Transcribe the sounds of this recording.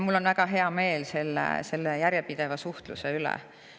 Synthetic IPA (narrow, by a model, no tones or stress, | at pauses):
mulːo̞nvæɡ̥ɑɦe̞ɑme̞ːlse̞lːḛse̞lːejæɾjepid̪̥e̞vɑsuht̪lṵseylɛ̰